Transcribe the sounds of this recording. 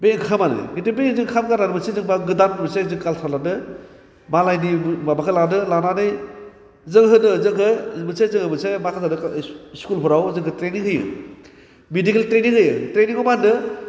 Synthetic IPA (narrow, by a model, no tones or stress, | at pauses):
beŋkʰamanɯ̰ɡitibezɯŋkʰamkaɾanɯmɯsezɯŋbaɡɯdanmɯsezɯŋkalsʰalanɯ | malajnimabakʰɯlanɯlananɯj | zɯŋɦɯnɯzɯŋkʰɯmɯsazɯŋhɯmɯsemakʰazanɯkskulpʰɯɾawzɯŋkʰɯtɾeniŋɦɯjɯ̰ | midikeltɾeniŋhɯjɯtɾeniŋɔmanɯ